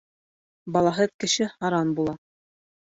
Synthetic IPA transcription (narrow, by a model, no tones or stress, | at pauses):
bɑlˠɑɦɤðkɘ̆ʃɘhɑɾɑnbulˠɑ